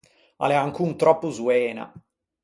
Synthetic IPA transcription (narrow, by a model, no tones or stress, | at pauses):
a̰lɛaŋkunt̪ɾɔpːozuɛːna̰